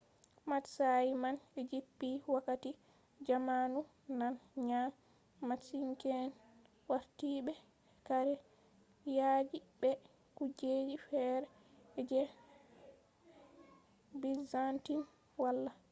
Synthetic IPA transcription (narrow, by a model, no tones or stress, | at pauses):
matsajimanɛd͡ʒipːiwakːati | d͡ʒamanu | nanɲa | masiŋkɛn | waɾtiɓɛ | kaɾɛ | jad͡ʒibɛ | kud͡ʒed͡ʒifɛɾɛ | d͡ʒɛ | bizantin | walːa